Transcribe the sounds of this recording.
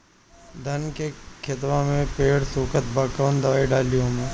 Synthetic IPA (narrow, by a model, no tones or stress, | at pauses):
d̪ʱənkekʰɪt̪ʋamẽpeːɽsuːkət̪̚baːkəʋnd̪əʋiɖaːlijõːmẽː